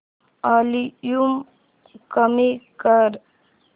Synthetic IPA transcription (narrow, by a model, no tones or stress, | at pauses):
aːlijum | kəmikəɾ